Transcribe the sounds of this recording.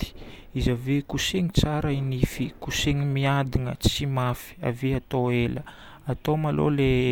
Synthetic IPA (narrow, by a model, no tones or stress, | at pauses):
t̪i̥izavekuseŋit͡saɾainifikuseŋimiad̪inə̰t͡simafi̥a̰viat̪oelə | at̪omalo̰le